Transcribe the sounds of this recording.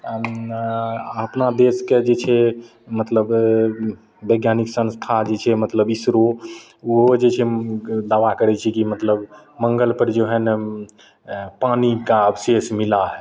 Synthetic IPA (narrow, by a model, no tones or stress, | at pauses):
əpnad̪esked͡ʒet͡ʃʰɛ | mət̪ləb | bəɡjaniksə̃nst̪ʰad͡ʒet͡ʃʰɛmət̪ləbisɾo | uɦod͡ʒet͡ʃʰɛd̪aʋakəɾɛt͡ʃʰɛkimət̪ləb | məŋɡəlpəɾd͡ʒeɦən | panikaəbsesmilaɦɛ